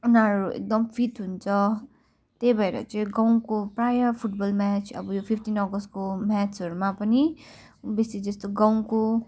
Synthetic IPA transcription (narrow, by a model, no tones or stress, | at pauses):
unaɾuḛk̚d̪ʌmpʰit̪ɦunt͡sʰʌ | t̪ebʱʌeɾʌ̰t͡sʌĩɡãw̃kopɾajʌpʰuʈbʌlmɛt͡sʰʌ̰bʌjopʰipʰʈinʌɡʌst̚komat͡sʌɾumapʌni | besid͡zʌst̪oɡãw̃ko